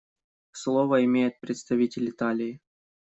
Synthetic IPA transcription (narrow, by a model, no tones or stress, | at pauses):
slˠovəɪmʲejɪt̪̚pɾʲɪt̪st̪ɐvʲitʲɪlʲɪt̪alʲɪɪ